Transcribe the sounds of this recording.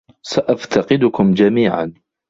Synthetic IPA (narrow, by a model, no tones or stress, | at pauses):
saʔaft̪ʰaqɪd̪ʊkʊmd͡ʒamiːʕa̰n